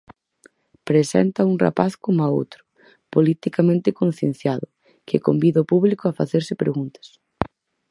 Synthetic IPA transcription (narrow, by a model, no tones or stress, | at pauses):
pɾesɛ̰nt̪ɐuŋra̰paθkomao̰wt̪ɾʊ̥ | polit̪ikamẽnt̪ɪkõn̟θjẽn̟θjaðʊ | kekombiðaopuβlikʊafaθeɾsɪpɾeɣunt̪ɐ̥s